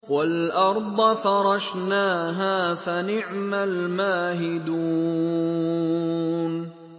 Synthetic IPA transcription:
walʔɑɾˤd̪ˤfɑɾˤɑʃ | naːɦaːfanɪʕmalmaːɦɪd̪u | n

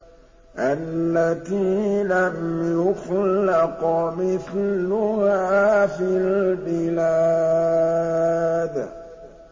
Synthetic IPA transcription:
ʔalːat̪iːlamjʊxlːɪqmɪθlʊhaːfilbɪla | d̪

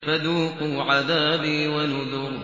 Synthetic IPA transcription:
fad̪uːqʊʕaðaːbiːwanʊðʊɾ

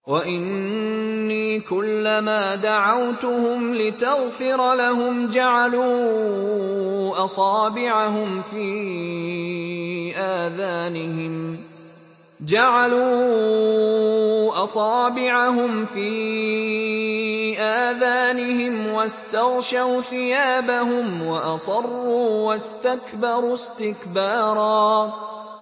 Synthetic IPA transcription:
waʔɪnnːiːkʊlːamaːd̪aʕawt̪ʊhʊmlɪt̪aɣfɪɾˤlaɦʊmd͡ʒaʕaluː | ʔɑsˤɑːbɪʕaɦʊmfiː | ʔaːðaːnɪhɪm | d͡ʒaʕaluː | ʔɑsˤɑːbɪʕaɦʊmfiː | ʔaːðaːnɪhɪmwast̪ɑɣʃawθɪjaːbaɦʊmwaʔɑsˤɑrˤːuːwast̪akbɑɾˤust̪ɪkbɑːɾˤɑː

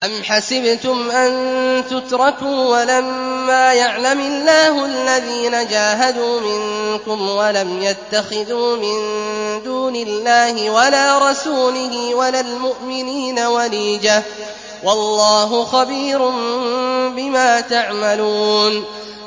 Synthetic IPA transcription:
ʔamħasɪbt̪ʊmʔant̪ʊt̪ɾˤɑkuːwalamːaːjaʕlamɪlːaːɦʊʔalːaðiːnad͡ʒaːɦad̪uːmɪŋkʊmwalamjat̪ːaxɪðuːmɪnd̪uːnɪlːaːhɪwalaːɾˤɑsuːlɪɦɪwalaːlmʊʔmɪniːnawaliːd͡ʒa | wɑlˤːɑːɦʊxabiːɾʊm | bɪmaːt̪aʕmaluːn

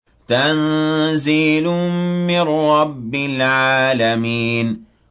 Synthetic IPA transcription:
t̪anziːlʊmɪnɾɑbːɪlʕaːlamiːn

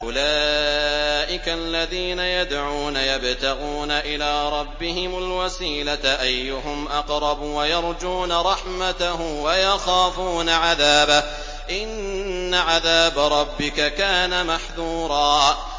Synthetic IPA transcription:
ʔʊlaː | ʔɪkalːaðiːnajad̪ʕuːnajabt̪aɣuːnaʔɪlaːɾˤɑbːɪhɪmalwasiːlaʔajːʊhʊmʔɑqɾˤɑbwajɑɾˤd͡ʒuːnaɾˤɑħmat̪ahʊmwajɑxaːfuːnaʕaðaːba | ʔɪnː | aʕaðaːbaɾˤɑbːɪkakaːnamaħðuːɾˤɑː

